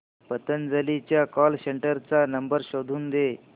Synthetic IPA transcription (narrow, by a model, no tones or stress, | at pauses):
pət̪ənd͡zəlit͡ɕjakɔlseɳʈəɾt͡sanəmbəɾɕod̪ʱuːnd̪e